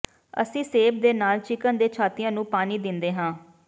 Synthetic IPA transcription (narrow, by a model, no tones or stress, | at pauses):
ə̰sĩːseːbd̪eːnaːlt͡ʃɪkənd̪eːt͡ʃʰaːt̪ɪjãːnũːpaːniːd̪ɪnd̪eːɦãː